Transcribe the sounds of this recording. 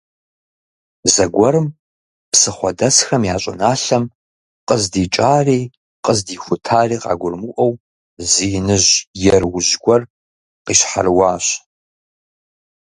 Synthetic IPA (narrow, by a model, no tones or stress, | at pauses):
zɐɡʷɔɾɨm | psɨχʷɔdɐsxɐmjaːɕʼɐ̰naːɬɐm | qʼəzdiːt͡ʃʼaːriː | qəzdiːxʷʊtʰaːriːqa̰ːɡʷʊrmɨʔɐw | ziːnɨʒjɛrwʊʑɡʷɔr | qiːɕħa̰rwɑːɕ